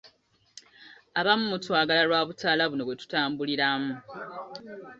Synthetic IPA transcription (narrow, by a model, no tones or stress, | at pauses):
aβamumutwaːɡalaɾwaːβutaːlaβuno̞βwetu̥taːmbuliɾamu